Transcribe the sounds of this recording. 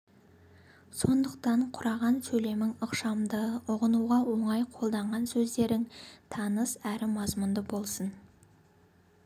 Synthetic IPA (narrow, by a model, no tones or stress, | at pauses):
so̞nd̪əq̚t̪ɑɴqʰʊɾɑʁɑnsɵle̞mɪŋʊqʃɑmd̪əʊʁənuʁɑwo̞ɴɑjqʰolˠd̪ɑɴʁɑnsɵzd̪e̞ɾɪŋt̪ʰɑnəsæɾɪmɑzmʊnd̪əbo̞lˠsən